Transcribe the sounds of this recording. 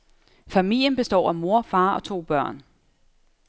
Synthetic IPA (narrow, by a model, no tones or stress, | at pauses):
fæmil̰jənb̥e̝sd̥ɒ̰ːæmo̝ɐfɑ̈ːɒ̽t͡sʰo̝̰ːb̥ɶɐ̰n